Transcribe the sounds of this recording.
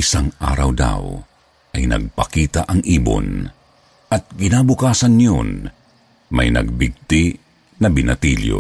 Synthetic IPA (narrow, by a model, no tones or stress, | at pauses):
ɪsaŋa̰ːɾɐwd̪a̰w | ʔɐjnɐ̰ɡ̚pɐkiːt̪aʔɐŋʔiːbo̰n | ɐt̪̚ɡɪnaːbʊkaːsɐnjo̰n | mɐjnɐ̰ɡ̚bɪɡ̚t̪ɪ | nɐbɪnʔɐt̪iljo̰